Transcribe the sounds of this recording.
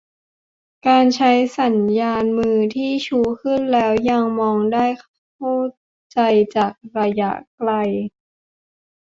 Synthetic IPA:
kaː˧nt͡ɕʰa˦˥jsa˩˦njaː˧nmɯː˧t̪ʰiː˥˩t͡ɕʰuː˧kʰɯ˥˩nlɛː˦˥wja˧ŋmɔː˧ŋdaː˥˩j | kʰa˥˩ | t͡ɕa˧jt͡ɕaː˨˩k̚ɾa˧ja̰˦˥ʔkla˧j

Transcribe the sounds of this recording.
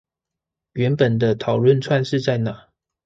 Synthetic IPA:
ɥɛ˧˥npə˨˩nd̪ə˦t̪ʰɑ˨˩ʊlwə˥˨nt͡sʰwa˥˧nʂɻ̩˥˧t͡sa˥˩ɪna˨˩˦

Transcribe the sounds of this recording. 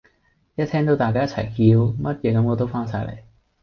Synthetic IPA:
jɐ˥t̪ʰɛː˥ŋt̪o˧˥wt̪aː˨kaː˥jɐ˥t̚t͡sʰɐ˨˩jhiː˨˧wmɐ˥t̚jɛː˨˧kɐ˨˧˥mŋɔː˨˧t̪̬o˥wfaː˥nsaː˧jlḛ˨˩j

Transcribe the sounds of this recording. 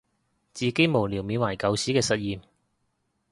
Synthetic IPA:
t͡siː˨ke˨˥jmo˨˩wli˨˩wmiː˨˧nwaː˨˩jkɐ˨˧wsiː˨˥kɛː˧sɐ˨t̚jiː˨m

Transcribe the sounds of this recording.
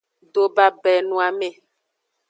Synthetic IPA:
ɖo˨ba˦bɛ˨nũ˨˦a˨me˦˨

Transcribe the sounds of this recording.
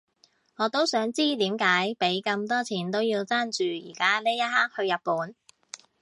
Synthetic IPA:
ŋɔː˨˧t̪o˥wsœː˨˥ŋt͡siː˥t̪iː˨˥mkaː˨˥jpe˨˥jkɐ˧mt̪ɔː˥t͡sʰiː˨˩nt̪o˥wjiː˧wt͡saː˥nt͡ʃyː˨jḭː˨˩kaː˥le˥jɐ˥t̚haː˥k̚hɵ˧ɥjɐ˨t̚puː˨˥n

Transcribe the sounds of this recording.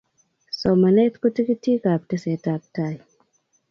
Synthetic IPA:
sɔ˨ma˨ne˦t̪ko˦ti˦ki˦ti˦ka˨p̚te˦se˨˦ta˨p̚ta˦˨j

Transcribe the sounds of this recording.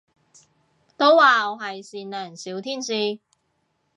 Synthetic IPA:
t̪o˥waː˨ɔ˨˧ɦɐ˨jsiː˨nlɛː˨˩nsiː˨˥wt̪ʰiː˥nsiː˧

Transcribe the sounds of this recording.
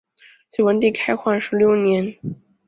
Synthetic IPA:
t͡swe˥˩ɪwə˧˥nt̪̬i˥˩kʰa˥ɪxwa˥˩nʂɻ̩˧˥ljo˥˩ʊnjɛ˧˥n

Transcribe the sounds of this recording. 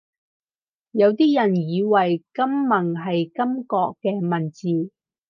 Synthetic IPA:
jɐ˨˧wt̪iː˥jɐ˨˩njiː˨˧wɐ˨jkɐ˥mːɐ˨˩ŋɦɐ˨jkɐ˥mkɔː˧kːɛː˧mɐ˨˩nt͡siː˨

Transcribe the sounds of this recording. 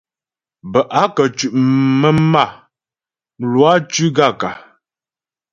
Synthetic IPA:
bə˨ʔa˨˦kə˨t͡ʃʉ˨ʔmə˦ma˦˨ | m̩˨lu˨˦a˦t͡ʃʉ˦ɡa˦˨ka˨

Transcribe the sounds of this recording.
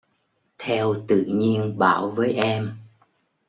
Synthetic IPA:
t̪ʰɛ˧wt̪ɨ̰˧˨ɲi˧ənɓaː˧˩wvəː˨˦jʔɛ˧m

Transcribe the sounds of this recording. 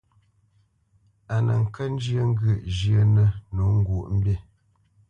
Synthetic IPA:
a˨nə̰˨ŋ̩˨kə˦n˦d͡ʒjə˦ŋ̩˦ɡʉ˦˨ʔd͡ʒjə˦nə˦nu˨˦ŋ̩˦ɡu˨ʔm̩˦be˦˨

